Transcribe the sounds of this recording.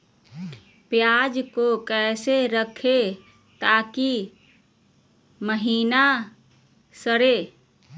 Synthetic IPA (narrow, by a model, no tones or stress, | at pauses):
pjad͡ʒkokɛːseɾəkʰe | t̪aki | məɦiːna | səɾe